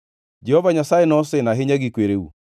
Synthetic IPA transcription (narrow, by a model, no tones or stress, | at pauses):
d͡ʒɛhɔvaɲasajenɔsɪnaɦɪɲaɡikweɾeṵ